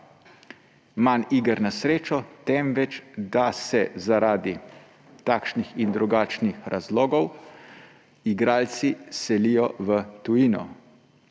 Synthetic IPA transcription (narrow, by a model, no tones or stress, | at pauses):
maniɡəɾnasɾeːt͡ʃɔt̪ɛmʋɛt͡ʃd̪asɛzaɾaːd̪i | t̪aːkʃnixind̪ɾuɡaːt͡ʃnixɾazlɔːɡɔw | iɡɾaːlt̪sisɛlijɔʋət̪ujinɔ̰